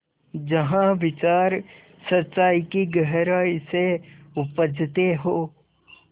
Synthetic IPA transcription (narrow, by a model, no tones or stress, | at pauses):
d͡ʒɐɦãʋɪt͡ʃaːɾ | sətːʃaːikiɡəɦɾaːiseʊpəd͡ʒt̪eɦoː